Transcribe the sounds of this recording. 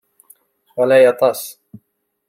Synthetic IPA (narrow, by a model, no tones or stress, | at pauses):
walajɑt̪ˤɑs